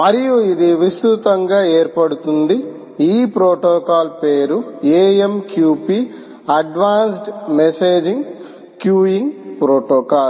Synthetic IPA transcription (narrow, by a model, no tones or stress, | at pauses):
mɐɾijuid̪iʋist̪ɾut̪ɐŋɡaːeːɾpɐɽut̪und̪i | iːpɾoːʈɔːkaːlpe̞ːɾueːemkjuːpi | ɐɖʋaːnsʈmeseːd͡ʒiŋɡ | kjuːiŋɡpɾoːʈɔːkaːl